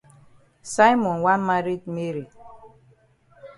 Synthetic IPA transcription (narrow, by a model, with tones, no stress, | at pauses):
sa˦jmɔ˨nwa˦ma˦ɾi˦t̚me˦ɾi˨